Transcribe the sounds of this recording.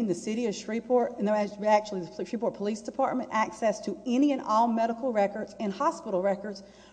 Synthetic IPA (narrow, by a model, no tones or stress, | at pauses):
ŋðɨsɪɾiɨ̥ʃɹ̥ipʰɔɹɾɨ̃nðoæk̚t͡ʃʉl̩ˠiðɨtɹipɔɹt̚pʰəlisd̥ɨpʰɑ̰ɹt̚mɨ̃ntæksɛstʰɨɛ̃niɨ̃nɔlˠmɛɾəkl̩ˠɹɛkə˞dz̥ɨ̃nhɑspɪɾl̩ˠɹɛkə˞dz̥